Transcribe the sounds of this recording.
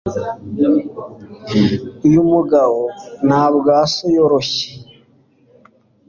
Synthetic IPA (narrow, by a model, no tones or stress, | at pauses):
jumuɡaβonhaːβɡaːsojoɾoçi̥